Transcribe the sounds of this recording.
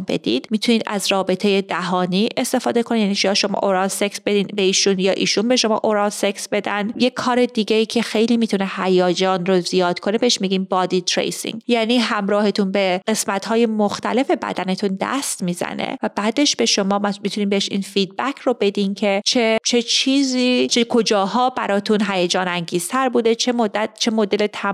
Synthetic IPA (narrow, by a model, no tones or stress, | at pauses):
mbe̞̰d̪ḭd̪̥mit̪ʰuniːd̪æ̰zɾɒːbe̞t̪ʰeje̞d̪æɦɒːniːʔest̪e̞fɒːd̪e̞kʰo̞nid̪jæniʃʰijɒʃo̞mɒ̰ʔoɾɒnseksbe̞d̪iːnbeiːʃunjɒːʔiːʃunbeʃo̞mɒ̰ːʔoɾɒnseksbe̞d̪ænjekʰːɒːɾe̞d̪iːɡʲeiːcʰe̞xejliːmit̪ʰunehæjɒːd͡ʒɒːnɾozijɒːd̪̥kʰo̞nebeeʃmiɡiːnbɒːd̪it̪ʰɾḛjsḭŋjæːniːɦæmɾɒːhe̞t̪ʰunbe̞ɢe̞smæt̪hɒːje̞moxt̪æle̞fe̞bæ̰d̪æne̞t̪ʰund̪æ̰st̪miːzæ̰nḛvæbæːd̪e̞ʃb̥e̞ʃo̞mɒːmmit̪ʰuniːmbeeʃḭːnfiːd̪̚bæcʰɾobe̞d̪imcʰe̞t͡ʃʰet͡ʃʰe̞t͡ʃʰiːziːt͡ʃʰekʰo̞d͡ʒɒːɦɒːbæɾɒːt̪ʰunɦæjæd͡ʒɒːnæŋɟiːz̥t̪ʰæɾbuːd̪e̞t͡ʃʰemod̪ːæt̪̚t͡ʃʰe̞mod̪e̞let̪ʰæ